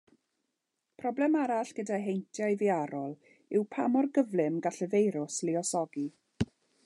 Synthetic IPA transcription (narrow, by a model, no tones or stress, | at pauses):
pʰrɔblɛmaɾaɬɡ̥ədaɦejntʰjajðɪaɾɔlˠ | ɪwpʰa̰mɔrɡəvlˠɪmɡaɬəvejɾʊslɪɔsɔɡi